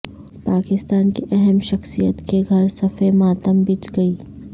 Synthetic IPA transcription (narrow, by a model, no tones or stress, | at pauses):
paːkɪst̪aːnkiʔɛɦɛmʃɐxsijə̰t̪keɡʱɐɾsɐfemaːt̪əmbit͡ʃɡɐiː